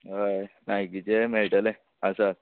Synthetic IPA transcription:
ɦəjnajkit͡ɕemeɭʈəle | əsə

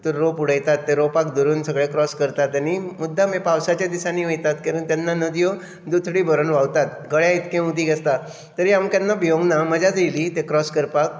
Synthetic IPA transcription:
t̪əɾːopuɽ̤əjt̪at̪ːeɾopakd̪uɾuːnsəɡɭekɾɔskəɾt̪at̪ːjanimud̪ʱːamepawsat͡ɕjad̪isaniːʋəjt̪at̪kaɾənt̪janːanəd̪ijo | d̪ut̪ʰɽiːbʱəɾənʋaʋt̪at̪ɡəɭjait̪kẽud̪ʱiːɡʱest̪a | t̪əɾiːamkjanːabijoɡnaməd͡ʑʱad͡zijliːt̪ekɾɔskəɾpak̚

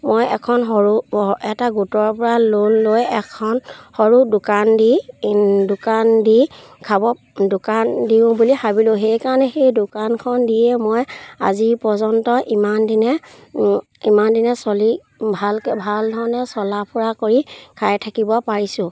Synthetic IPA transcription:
mojɛ̰kʰɔnɦɔɹuɛtaɡutɔɹpɔɹalonlojɛkʰɔnxɔɹudʊkandi | dʊkandi | kʰabɔ | dʊkandiʊ̃bulihabilʊ̃xejkaɹɔnɛxejdʊkankʰɔndijɛmoja̰zipɔzɔntɔʔimandinɛ | imandinɛsɔli | bʱalkɛbʱaldʱɔɹɔnɛsɔlapʰuɹakoɹikʰajtʰakibɔpaɹisʊ̃

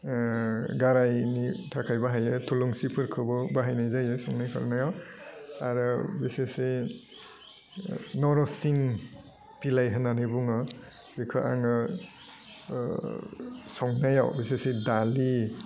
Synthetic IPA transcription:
ɡaɾajnitʰakʰajbaɦajɯtʰuluŋsipʰɯɾkʰɯbɔbaɦajnajzajɯsɔŋnajkʰɔ̰ɾnajawaɾɔbisese | nɔɾɔsiŋ | pilajɦɯnanibuŋɔ | bikʰɯʔa̰ŋɯ | sɔŋnajawbisesedali

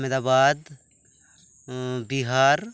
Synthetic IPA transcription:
med̪aːbaːd̪ | biɦaːɾ

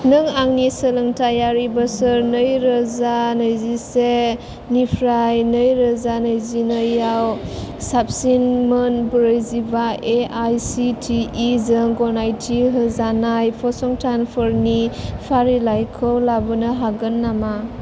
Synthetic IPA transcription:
nɯŋaŋnisəlɯŋtʰajaɾibasɯɾnɯjɾɯzanɯjzise | nipʰɾajnɯjɾəzanɯjzinɯjawsap̚sinmɯnbuɾɯjzibaeajsitʰiːzɯŋɡɔnajtʰiɦɯzanajpʰɔsɔŋtʰanpʰɔɾnipʰaɾilajkʰɯwlabɯnɯɦaɡɯnːama

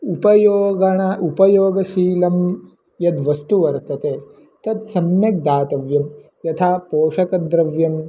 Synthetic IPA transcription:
upɐjoːɡɐɳaʔupɐjoːɡɐʃiːlɐm | jɐd̪ʋɐst̪uʋɐɾt̪ɐt̪eː | t̪ɐt̪sɐmjɐk̚d̪aːt̪ɐʋjɐm | jɐt̪ʰaːpoːʂɐkɐd̪ɾɐʋjɐm

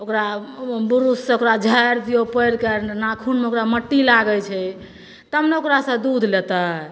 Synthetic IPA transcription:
okɾabuɾussẽokɾad͡ʒʱəjɾpʰiopəjɾkəɾnakʰunmeokɾaməʈːilaɡət͡ʃʰɛ | t̪əmneokɾasə̃d̪ud̪ʱlet̪ə

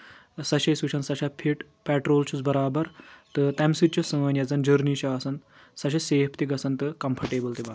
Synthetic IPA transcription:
sɐʃɐsuɕʰɐnsɐʃapʰiʈ | pɛːʈɾoːlt͡ʃʰut͡sbɐɾaːbɐɾt̪ɨt̪ɐmsit̚t͡ʃusɐmɐnjɐd͡zɐnd͡ʒəɾnit͡ʃʰɐaːsɐn | sɐʃɐseːpʰt̪iɡɐsɐnt̪ɨkɐmpʰɐɾʈeːbɐlt̪iba

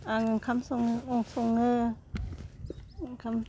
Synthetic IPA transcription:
aŋɯkʰamsoŋŋoŋsoŋːɯ | ŋkʰam

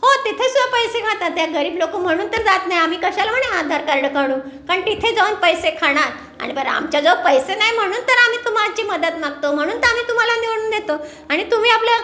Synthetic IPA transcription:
hot̪it̪ʰesud̪ʱapəjsekʰat̪at̪jaɡəɾiːblokuːm̤əɽ̃uːnt̪əɾd͡zat̪najam̤iːkəɕajlam̤əɳead̪ʱaɾkəɾɽəkaɽuː | kaɳt̪it̪ʰed͡zauːnpəjsekʰaɽ̃aɾ | a̰ɽ̃ibəɾa̰mt͡ɕjad͡zəpəjsenajm̤əɽ̃uːnt̪əɾam̤iːt̪um̤alat͡ɕiːməd̪ət̪naɡ̚t̪om̤əɽ̃uːnt̪əɾam̤iːt̪um̤alaniʋɽ̃uːnd̪et̪o | aɽ̃it̪um̤iːaplja

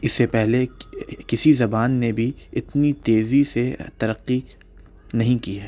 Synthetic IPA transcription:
ɪsːepɛɦlekɪsizɐbaːnːebʱiɪt̪nit̪eːziset̪ɐɾɐqːi | nɐɦĩkiɦɛː

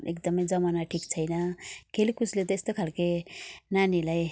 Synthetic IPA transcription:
ḛkd̪ʌmʌjd͡zʌmanaʈʰikt͡sʰʌjnʌkʰelikuslet̪ʌest̪okʰalkenanilaj

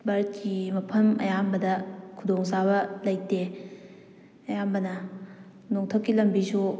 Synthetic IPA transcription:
baɾɐt̚kimɐpʰɐmɐ̰jambɐdɐkʰudoŋsabɐlɐj̚te | ɐjambɐnɐ | noŋtʰokːilɐmbisu

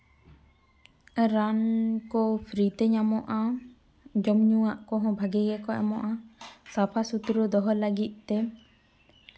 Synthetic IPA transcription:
ɾankɔpʰɾit̪ɛɲamɔʔa | d͡ʒɔmɲuwaʔkɔɦɔ̃bʱaɡɛɡɛkɔʔɛ̰mɔʔasapʰasut̪ɾud̪ɔɦɔlaɡit̪̚ˀt̪ɛ

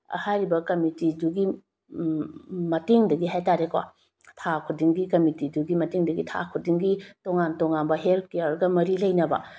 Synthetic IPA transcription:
hajɾibɐkɐmitiduɡi | mɐteŋdɐɡiɦajtaɾekwa̰ | tʰakʰudiŋɡikɐmitiduɡimɐteŋdɐɡitʰa̰kʰudiŋɡitoŋantoŋanbɐɦelt̚ʰkejaɾɡɐmɐɾilɐjnɐbɐ̰

